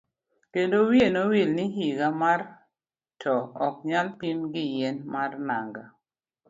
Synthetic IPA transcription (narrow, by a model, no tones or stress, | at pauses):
kendowjenowilniɦiɡamar | tʰɔɔk̚ɲalpimɡɪjenmarnaŋɡa